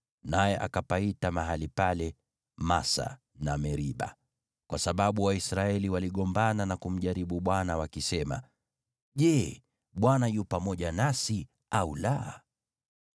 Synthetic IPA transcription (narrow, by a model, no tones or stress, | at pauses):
najɛʔa̰kapaitamaɦalipalɛ | masa̰ | namɛɾiɓa̰ | kwasaɓaɓuwaisɾaɛliwaliɠɔmbananakum̩ʄaɾiɓuɓwanawakisɛma̰ | ʄɛ | ɓwanajupamɔʄanasi | aula̰